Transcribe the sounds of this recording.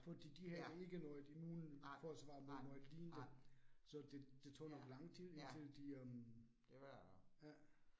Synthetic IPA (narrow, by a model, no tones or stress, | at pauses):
fɒ̽d̥ḭːd̥ihæəe̝ɡ̥ənɔɪd̥imuːnfɒsʋɑ̈ːmenɔɪd̥liːnd̥əsɒ̽d̥e̝d̥e̝t͡sʰo̰ːnɒ̽ɡ̥lɑ̈ŋ̰̥t͡sʰe̝lent͡sʰeld̥iøm | jæ